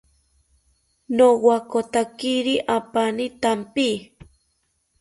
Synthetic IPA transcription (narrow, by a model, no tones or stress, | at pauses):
nowakot̪akiɾiʔapanit̪ampi